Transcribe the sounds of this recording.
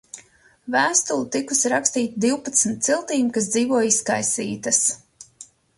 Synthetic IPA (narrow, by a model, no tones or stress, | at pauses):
væːst̪ulˠut̪ikusiɾakst̪iːt̪id̪iwpat̪sm̩t̪̚silˠt̪iːmkas̬d̪ziːvuɔjiskajsḭːt̪ɐs